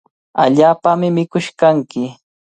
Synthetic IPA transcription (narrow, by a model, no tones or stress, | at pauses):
a̰ʎaːpamɪmɪkʊʃkaŋkɪ